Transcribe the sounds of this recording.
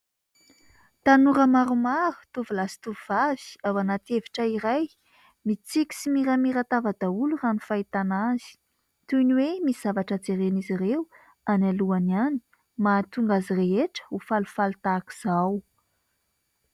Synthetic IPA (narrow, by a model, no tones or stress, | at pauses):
t̪anuɾəmaɾumaɾu̥t̪uvulasi̥t̪uvvav̥i̥awanat̪eviʈ͡ʂəiɾaj | mit͡sikʲi̥simiɾamiɾat̪avad̪auluranufait̪anaz̥i̥ | t̪uniwemisiz̥avaʈ͡ʂəd͡zeɾenizireu | analuaniani̥ | mat̪uŋɡazireɦeʈ͡ʂə̥ufalufalt̪aki̥z̥aw